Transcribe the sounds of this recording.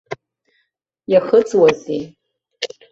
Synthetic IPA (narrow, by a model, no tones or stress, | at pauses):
jaχət͡sʼwazi